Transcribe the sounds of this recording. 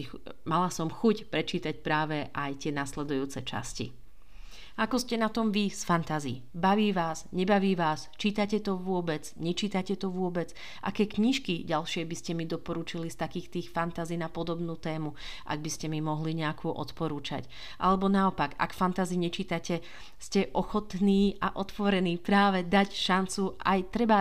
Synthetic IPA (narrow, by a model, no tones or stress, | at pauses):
malasɔmxucpɾɛt͡ʃiːt̪acpɾaːʋɛʔajt̪ɪɛnaslɛd̪ujuːt͡sɛt͡ʃa̰scḭ | akɔscɛnat̪ɔmʋisfant̪azḭ | baʋiːʋaːzɲɛbaʋiːʋaːst͡ʃiːt̪acɛt̪ɔʋʊɔbɛd͡zɲɛt͡ʃiːt̪acɛt̪ɔʋʊɔbɛd͡z | ʔa̰kɛːkɲiʃkiɟalʃɪɛbiscɛmid̪ɔpɔɾuːt͡ʃilist̪akiːxt̪iːxfant̪aziːnapɔd̪ɔbnuːt̪ɛːmu | ʔa̰ɡ̚biscɛmimɔɦliɲɛakʰuːʔɔ̰t̪pɔɾuːt͡ʃa̰c | ʔalɛbɔnaɔpaɡa̰kfant̪aziɲɛt͡ʃiːt̪acɛ | scɛʔɔxɔt̪niːaʔɔt̪ʋɔɾɛniːpɾaːʋɛd̪acʃant͡suʔa̰jt̪ɾɛba